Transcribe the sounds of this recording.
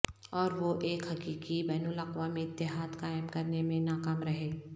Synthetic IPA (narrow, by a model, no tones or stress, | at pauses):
ɔːɾʋoʔeːkɦɐkiːkibɛːnʊlɐqʋamẽɪt̪ːɪɦaːd̪kaːjmkɐɾnemẽnaːkaːmɾɐɦeː